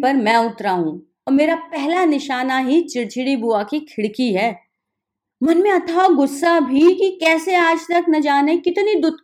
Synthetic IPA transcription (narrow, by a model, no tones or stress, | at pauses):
pɐɾmɛ̃ʊt̪ɾaɦũː | ɔːɾmeːɾapɛɦlanɪʃaːnaɦit͡ʃɪɽt͡ʃɪɽibuakikʰɪɽkiɦɛː | mɐnmẽɐt̪ʰaoɡʊsːabʱikikɛːseaːd͡ʒt̪ɐknɐd͡ʒaːnekɪt̪nid̪ʊd̪̚